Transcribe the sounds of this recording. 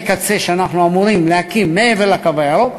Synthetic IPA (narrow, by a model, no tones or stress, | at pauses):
kat͡se̞ʃeanaχnuamuʁimlehakimːeevelakavaaɾo